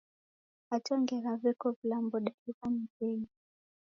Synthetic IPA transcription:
atɔŋɡɛɾavɛkɔvilambɔɗaikamakɛi

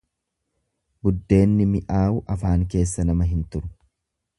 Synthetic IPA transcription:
bʊd̪ːe̞ːnːɪmɪʔaːʔʊʔɐfaːŋk̬e̞ːsːɐnɐmɐɦɪnt̪ʊɾʊ̥

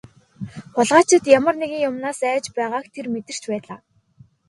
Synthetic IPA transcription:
χʊɮʁaːt͡ɕʰɪ̆t̪jamə̆rneɣʲĭŋjʊmnaːsæːt͡ɕpæːʁaːkt̪ʰermet̪ɘ̆r̥t͡ɕpæːɮaː

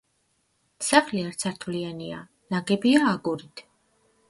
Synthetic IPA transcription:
saχliaɾt̪sʰaɾt̪ʰvliania̰ | naɡɛbiaːɡuɾit̪ʰ

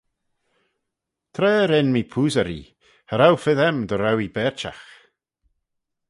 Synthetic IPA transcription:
t̪ʰɾɛːɾɛnmipʰuːzəɾḭ | həɾawfɪðɛmd̪əɾawibɛːɹt͡ʃa̰x

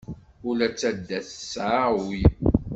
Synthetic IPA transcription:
ʊlæt͡sːæd̪ːæθsʕawi

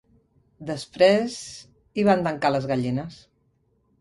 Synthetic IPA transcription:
d̪əspɾez | iβand̪əŋkaləzɣəʎinəs

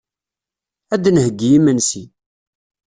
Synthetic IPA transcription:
æd̪nhəɡːijimənsi

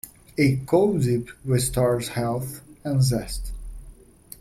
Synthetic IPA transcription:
ekʰodipwɪ̥stɑɹzhɛlˠθə̃nzɛst

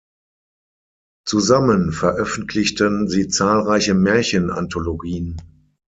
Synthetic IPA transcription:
t͡suzamənfɛɐʔœfn̩tʰlɪçtənziːt͡saːlʁaɪçəmɛɐçəna̰ntʰoloɡiːən

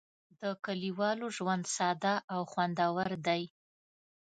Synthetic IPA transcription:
d̪əkaliwɑloʒwand̪sɑd̪aʔawxwand̪awaɾd̪aj

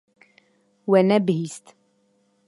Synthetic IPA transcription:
wænæbhist̪

